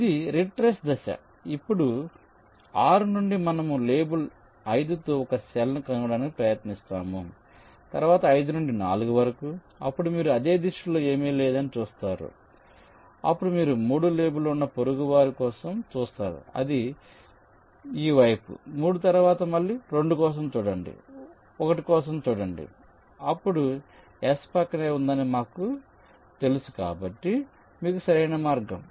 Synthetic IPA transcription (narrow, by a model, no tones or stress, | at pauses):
id̪iɾiʈɾesd̪ɐʃɐ̰ | ipːuɽu | aːɾunuɳɖimɐnɐmuleːbul | ɐjd̪ut̪oːɔkɐsɛlɐnukɐnɐɽaːnikipɾɐjɐt̪nist̪a̰ːmu | t̪ɐɾʋaːt̪ɐɐjd̪unuɳɖina̰ːluɡuʋɐɾɐku | ɐpːuɽumiːɾuɐd̪e̞ːd̪iʂuloːe̞ːmiːlɛːd̪ɐnit͡ʃuːst̪aːɾṵ | ɐpːuɽumiːɾumuːɽuleːbulounːɐpoɾuɡuʋaːɾikɔːsɐmt͡ʃuːst̪aːɾṵɐ̰d̪i | iːʋɐjpṵmuːɽut̪ɐɾuʋaːt̪ɐmɐɭːiɾe̞ɳɖukɔːs̬ɐmt͡ʃuːɽɐɳɖḭ | ɔkɐʈikɔːs̬ɐmt͡ʃuːɽɐɳɖḭ | ɐpːuɽu | espɐkːɐneːund̪ɐnimaːku | t̪e̞lusu̥ka̰ːbɐʈːi | miːkusɐɾɐjnɐmaːɾɡɐm